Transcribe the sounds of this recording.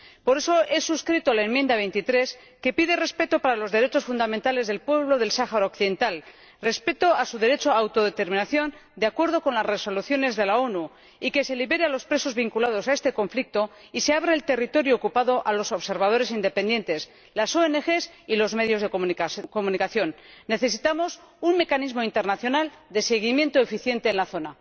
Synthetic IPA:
po̞ɾe̞so̞ʔe̞suskɾit̪oalaemjend̪aβe̞jnt̪it̪ɾe̞s | ke̞piðere̞spe̞t̪opaɾalo̞zðe̞ɾe̞t͡ʃo̞sfund̪amẽnt̪ale̞zðe̞lpwe̞βlo̞ðe̞lsaxaɾaokθiðe̞nt̪al | re̞spe̞t̪o̞asuðe̞ɾe̞t͡ʃoawt̪o̞ðe̞t̪e̞ɾmĩnaθjo̞nd̪eakwe̞ɾð̞o̞ko̞nlasre̞so̞luθjo̞ne̞zðe̞lao̞nu | ike̞se̞liβe̞ɾealo̞spɾe̞so̞zβiŋkulaðo̞sae̞st̪e̞ko̞ɱflik̚t̪o̞ | iseaβ̞ɾaelt̪e̞rit̪o̞ɾjoːkupaðo̞ʔalo̞so̞βse̞ɾβað̞o̞ɾe̞s̬ind̪e̞pend̪je̞nt̪e̞s | laso̞ene̞xe̞silo̞zme̞ðjo̞zðekokomunikaθjo̞nːe̞θe̞sit̪amo̞sunme̞kanizmo̞int̪e̞ɾnaθjo̞nald̪e̞se̞ɣ̞imje̞nt̪oefiθje̞nt̪e̞ːnlaθo̞na

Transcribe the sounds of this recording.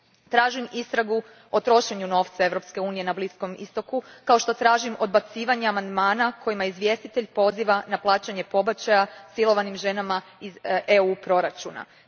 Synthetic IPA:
t̪ɾaːʒimist̪ɾaɡu | o̞t̪ɾo̞ʃe̞ɲuno̞ːft̪sae̞ʋɾo̞pske̞uːnije̞nablisko̞mḭst̪o̞kukao̞ʃt̪o̞t̪ɾaːʒimo̞d̪̚bat̪siːʋaɲeamand̪maːnakʰo̞jimaizʋje̞st̪it̪eʎpo̞ziʋanaplˠaːt͡ɕaɲe̞po̞bat͡ɕajasilˠo̞ʋanimʒe̞namaizeupɾo̞ɾat͡ʃṵna̰

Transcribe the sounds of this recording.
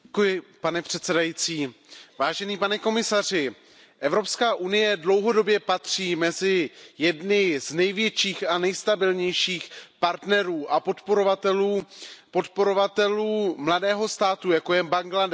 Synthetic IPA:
kujɪpanɛpr̥ɛt̪sɛdajit͡siːvaːʒɛniːpanɛko̞mɪsar̝ɪ | ʔɛvɾo̞pskaːʔunɪjɛdlo̞wɦo̞do̞bjɛpat̪r̝̥iːmɛzɪjɛdnɪznɛjvjɛt͡ʃiːxanɛjst̪abɪlɲɛjʃiːxpaɾt̪nɛɾuːʔapot̪poɾovat̪ɛluːpot̪po̞ɾovat̪ɛluːmladɛːɦo̞st̪aːt̪ujako̞jɛbaŋɡladɛ

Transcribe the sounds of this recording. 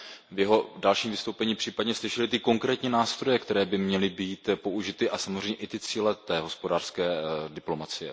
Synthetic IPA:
vjɛɦo̞dalʃiːmvɪst̪owpɛɲiːpr̥iːpadɲɛslɪʃɛlɪt̪ɪko̞ŋkɾɛːt̪ɲiːnaːst̪ɾo̞jɛkt̪ɛɾɛːbɪmɲɛlɪbiːt̪po̞ʔuʒɪt̪ɪʔasamozr̝ɛjɲɛʔɪt̪ɪt͡siːlɛt̪ɛːɦo̞spodaːr̥skɛːdɪplo̞mat͡sɪjɛ̰

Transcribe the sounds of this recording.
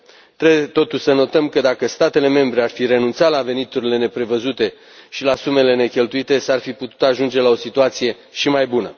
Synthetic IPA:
t̪ɾeet̪o̞t̪uʃʲsəno̞t̪əmkəd̪akəst̪at̪e̞le̞me̞mbɾe̞arfiɾe̞nunt̪sat̪lave̞nit̪uɾile̞ne̞pɾe̞vəzut̪e̞ | ʃilasume̞le̞ne̞kʲe̞lt̪uit̪e̞sarfiput̪u̥t̪aʒund͡ʒe̞lao̞sit̪uat̪sije̞ | ʃimajbunə

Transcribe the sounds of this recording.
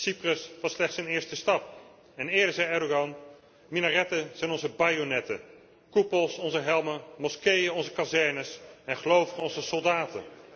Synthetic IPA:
siprəsʋɑslɛχtsɛnɪːɹstəstɑp̚ | ɛnɪːɹdəɹzɛjɛɹdoɡɑn | minarɛtəz̥ɛjnɔnzəbajonɛtə̰ | kupəlˠsɔnzəɦɛlˠməmɔskejənɔnzəkazɛɹnəsɛnχəlowvəχənɔnzəsɔlˠdaːtə̰n

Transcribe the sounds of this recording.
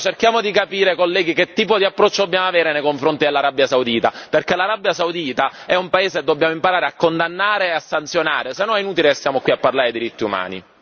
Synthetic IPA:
t͡ʃerkjaːmod̪ikapiːɾekolːɛːɡiket̪ːiːpod̪iapːɾɔt͡ʃːod̪obːjaːmoaveːɾenejkoɱfɾont̪id̪elːaɾabːjasaud̪iːt̪aperkelaɾabːjasaud̪iːt̪aɛumpaeːzeed̪ːobːjaːmoimpaɾaːɾeakːond̪anːaːɾeːasːant̪sjonaːɾesenːɔnɛinuːt̪̬ilesːjaːmokwiapːarlaːɾed̪iɾit̪ːiuma̰ːnḭ

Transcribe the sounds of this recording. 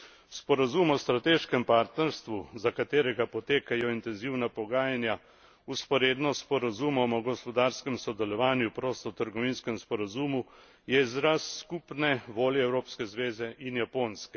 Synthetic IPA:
spɔɾazumɔst̪ɾat̪eːʃkɛmpaːɾt̪nɛɾst̪ʋuzakat̪eːɾɛɡapɔt̪eːkajɔint̪ɛnziwnapɔɡaːjanja | uspɔɾeːd̪nɔspɔɾazumɔmɔɡɔspɔd̪aːɾskɛmsɔd̪ɛlɔʋaːnjupɾoːst̪ɔt̪əɾɡɔʋinskɛmspɔɾazuːmu | jɛizɾasːkupnɛʋoːljɛɛwɾoːpskɛzʋeːzɛʔinjapoːnskɛ

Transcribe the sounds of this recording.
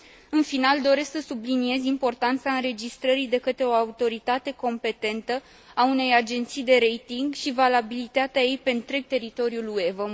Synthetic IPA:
ɨnfinald̪o̞ɾe̞sksəsublinie̞zimpo̞rt̪ant̪saɨnɾe̞d͡ʒist̪ɾəɾid̪e̞kət̪ɾe̞o̞aut̪o̞ɾit̪at̪e̞ko̞mpe̞t̪e̞nt̪ə | aune̞jad͡ʒe̞nt̪sijd̪e̞ɾe̞jt̪iŋɡʃivalabilit̪at̪eaje̞jpe̞nt̪ɾe̞ɡ̚t̪e̞ɾit̪o̞ɾjulue̞və

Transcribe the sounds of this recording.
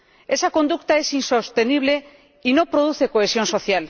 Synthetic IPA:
esakõnd̪ukt̪aesinsost̪eniβ̞le | inõpɾoð̞uθekoesjõnsoθjal

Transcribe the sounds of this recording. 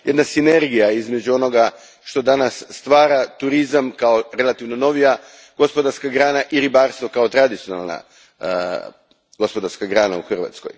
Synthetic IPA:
je̞d̪nasine̞ɾɡijaizmed͡ʑuo̞no̞ɡa | ʃt̪o̞d̪anasːt̪ʋaːɾat̪uɾizamkaoɾe̞lat̪iʋno̞no̞ʋija | ɡ̥o̞spod̪aɾskaɡɾaːnaʔiɾibaːɾst̪ʋo̞kaot̪ɾad̪it̪siona̰lˠna̰ | ɡo̞spo̞d̪aɾskaɡɾaːna̰uxrʋa̰t̪skoj

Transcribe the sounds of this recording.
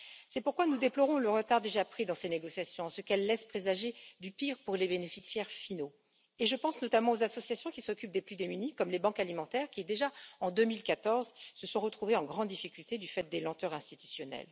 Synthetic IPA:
sɛpuʁkwanud̪eplɔʁɔ̃ləʁət̪aʁd̪eʒapχid̪ɑ̃seneɡɔsjasjɔ̃ɑ̃səkɛlːɛspχezaʒed̪ypiʁpuʁlebenefisjɛʁfino | eʒəpɑ̃snɔt̪amɑ̃ozasɔsjasjɔ̃kʲisɔkʲyp̚d̪eplyd̪emynikɔmlebɑ̃kalimɑ̃t̪ɛʁkʲid̪eʒaɑ̃d̪ømilkat̪ɔʁzsəsɔ̃ʁət̪χuveɑ̃ɡʁɑ̃d̪ːifikʲylt̪ed̪yfɛt̪̚d̪elɑ̃t̪œʁɛ̃st̪it̪y̥sjɔnɛ̰l

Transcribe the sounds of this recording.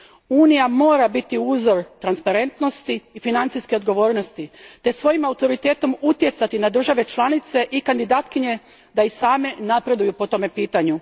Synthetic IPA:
uːnijamo̞ːɾabit̪iuːzo̞ɾt̪ɾanspaɾe̞nt̪no̞st̪iːfinant̪sijske̞o̞d̪ɡo̞ʋo̞ːɾno̞st̪it̪e̞sʋo̞jimaut̪o̞ɾit̪e̞ːt̪o̞mut̪je̞t̪sat̪inad̪r̩ʒaʋe̞t͡ʃlˠanit̪se̞ʔikand̪id̪aːt̪kiɲe̞ | d̪aisaːme̞napɾe̞d̪ujupo̞t̪o̞me̞piːt̪aɲu

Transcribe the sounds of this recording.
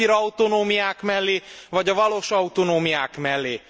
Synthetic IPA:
iɾɒut̪onoːmijaːkmɛlːeːvɒɟɒvɒloːʃɒut̪onoːmijaːkmɛlːeː

